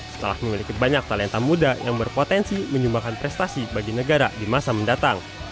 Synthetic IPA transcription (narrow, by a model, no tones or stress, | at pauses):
sə̥t̪əla̰hməmilikibaɲak̚t̪alɛnt̪amudajaŋbərpot̪ɛnsiməɲd͡ʒumbakanpɾɛst̪asibaɡinəɡaɾa̰dimasaməndat̪aŋ